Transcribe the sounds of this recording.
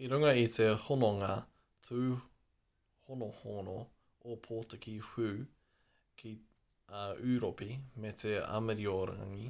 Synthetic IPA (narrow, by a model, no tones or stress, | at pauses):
iɾuŋɐit̪ehonoŋa | tʰuː | honohono | opʰoːtekihʉː | kʰi | ʔʉɾopimet̪ʰeɐ̰meɾioɾa̰ŋi